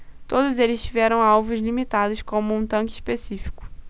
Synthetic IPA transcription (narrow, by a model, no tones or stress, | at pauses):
t̪od̪ʊzelɪst͡ʃivɛɾɐ̃w̃awvʊzlimit̪ad̪ʊskõmʊũt̪ɐ̃ŋkɪispesifi̥kʊ̥